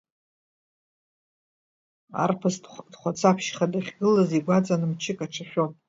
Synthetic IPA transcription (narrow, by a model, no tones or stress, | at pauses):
a̰rpʰɨsdχʷat͡sʰapʰʃχadaχʲɡɨlaziɡʷat͡sʼanɨmt͡ʃʰɪkʼaʈ͡ʂʰaχʲᶣopʼ